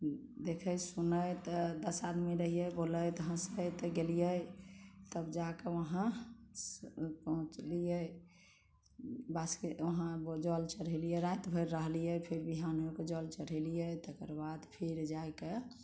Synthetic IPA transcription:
d̪ekʰəjsunəjt̪ɔd̪əsad̪miɾəɦijəboləjt̪ɦãsət̪ɔɡelijə | t̪əbd͡ʒakeʋəɦã | pɔɦt͡ʃlijə | baskeəɦãbd͡ʒɔlt͡ʃəɽɦəlijɛɾajt̪bʱəɾːəɦlijəpʰeɾbiɦanɦoked͡ʒɔlt͡ʃəɽəlijət̪ekəɾbad̪pʰeɾd͡ʒajke

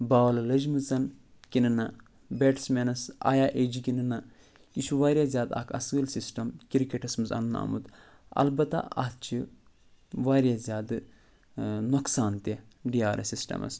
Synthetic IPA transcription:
baːʋɐlɐlɐd͡ʒmɨzɐn | kʲinɐnɐ | beːʈsmeːnɐsa̰ːjaːʔeːd͡ʒikʲinɨnɐ | iʃuʋaːɾjazʲjaːd̪ɐ̰kɐ̰sɨlsisʈɐmkiɾikʲeʈɐsmɨzɐ̰nna̰mṵd̪ | ɐ̰lbɐt̪a̰ɐ̰t̪t͡ʃʰi | ʋaːɾʲjazʲjaːd̪ɨ | noksaːnt̪eɖiaːɾʲɐ̰sisʈɐ̰mɐ̰s

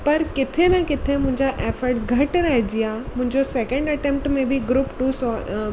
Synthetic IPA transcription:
pɐɾkɪt̪ʰenɐkɪt̪ʰemʊ̃ɦɪ̃ɲd͡ʑaʔeːfəɾʈs̬ɡʱɐʈɾɐɦid͡ʑijamʊ̃ɦɪ̃ɲd͡ʑosɛːkə̃ɳɖɐʈẽːmpʈmẽbʱɪɡɾuːpʈuːsɔ

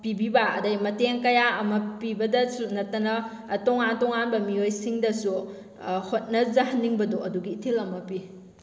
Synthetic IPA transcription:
pibibɐɐdɐjmɐteŋkɐjaɐmɐpibɐdɐsunɐtːɐnɐ | toŋantoŋanbɐmiojsiŋdɐsu | hot̚nɐzɐɦɐnːiŋbɐdoʔɐduɡiːtʰilɐmɐpi

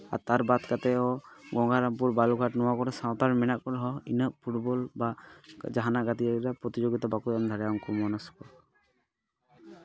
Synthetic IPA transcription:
a̰t̪aɾbat̪kat̪ɛɔɡɔŋɡaɾamp̬uɾbaluɡʱaʈnɔwakɔɾɛsãwt̪aɾmɛnaʔkɔɾɦɔinəʔpʰuʈbɔlbad͡ʒaɦanaʔɡat̪iaiɾapɾɔt̪id͡ʒoɡit̪abakutamd̪ʱaɾajɔŋkɔmɔnaskɔ

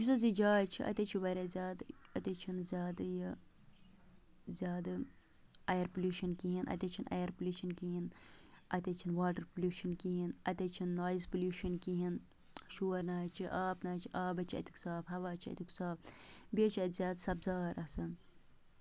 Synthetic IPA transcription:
d͡ʒisɐzid͡ʒaːt͡ʃʰiʔɐ̰t̪ʲɐt͡ʃʰiʋɐɾʲɐzʲaːd̪ɐt̪ʲit͡ʃʰinzʲaːd̪jɐ | zʲaːd̪ | ɐjɐɾpuljuːʃɐnkiɦinʔɐ̰t̪ʲɐt͡ʃʰinʔɐ̰jɐɾpulʲuːʃɐnkiɦinɐt̪ʲɐt͡ʃʰinʋaːʈɐɾpulʲjuːʃɐnkiɦinɐt̪ʲɐt͡ʃʰinːoːjzpuluːʃɐnkiɦin | ʃuːɐɾnaːt͡ʃʰiʔaːpnaːt͡ʃʰiʔaːbɐt͡ʃʰiɐ̰t̪ʲi̥ksaːfɦɐʋaːt͡ʃʰiɐ̰t̪ʲiksaːpbet͡ʃʰɐt̪zʲaːd̪sɐbzaːɾʔɐsɨ

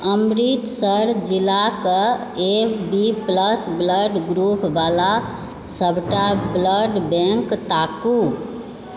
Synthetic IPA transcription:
əmɾit̪səɾd͡ʒilːakə | ebipləsbləɖɡɾupbala | səbʱʈabləɖbɛ̃ŋkt̪aku

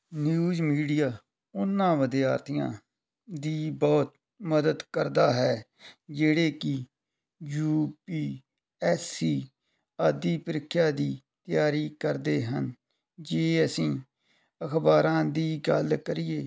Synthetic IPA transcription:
njuːzmiːɖɪjaː | ʊnːãːʋəd̪ijaːɾt̪ʰɪjã̰ː | d̪iːbɔːt̪ | məd̪əd̪kəɾd̪aːɦɛː | d͡ʒeːɽeːkɪ | juːpiː | ɛːsiː | aːd̪iːpəɾɪkʰːjaːd̪iː | t̪ɪjaːɾiːkəɾd̪eːɦən | d͡ʒeːəsĩː | əkʰbaːɾãːd̪iːɡəlkəɾɪjeː

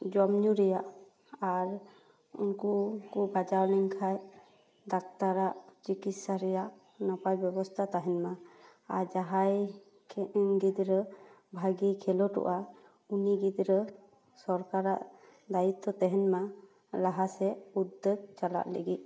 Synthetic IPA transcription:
d͡ʒɔmɲuɾɛjaʔ | aɾ | ṵnkukubad͡ʒawliŋkʰaj | d̪ak̚t̪aɾaʔd͡ʒikit̪saɾɛjaʔ | nɔpajbjɛbɔst̪ʰat̪aɦɛnma | aɾd͡ʒaɦaj | kʰɛʔɛnɡid̪ɾə | bʱaɡikʰɛlɔʈɔ̰ʔa | uniɡid̪ɾə | sɔɾkaɾa̰ʔ | d̪ajit̪ːɔt̪ɛɦɛnma | laɦasɛud̪ːəɡ̚t͡ʃala̰ʔləɡit̪̚

